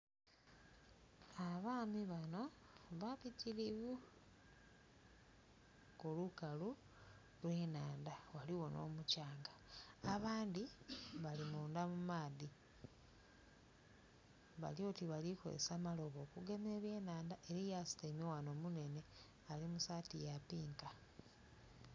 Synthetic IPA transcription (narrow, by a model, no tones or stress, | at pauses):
aβaːmiβano̞βapiciɾiβu | kolukalu | lwe̞ːnaːndawaliwo̞no̞̰ːmucaːŋɡaːβaːnd̪iβalimuːndamumaːði | βa̰lio̞ːtiβaliko̰ɾḛsaːmalo̞βo̞ːkuɡe̞me̞ːβje̞ːnaːndaʔe̞ɾijasi̥temiwano̞ːmune̞ne̞ | alimusaːtijapiːŋka